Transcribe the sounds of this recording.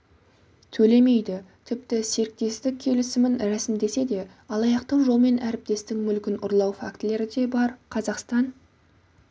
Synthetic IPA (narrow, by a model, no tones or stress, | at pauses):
t̪ʰɵle̞me̞jd̪ɪt̪ʰɪpt̪ɪse̞ɾk̚t̪e̞st̪ɪk̚ʲʰe̞lɪsɪmɪnɾæsɪmd̪e̞se̞d̪e̞ | ɑlˠɑjɑqt̪əwʒo̞lˠme̞næɾɪp̚t̪e̞st̪ɪŋmʏlkʲɪnʊɾlˠɑwfa̰kt̪ɪle̞ɾɪd̪e̞bɑɾqʰɑzɑqst̪ɑn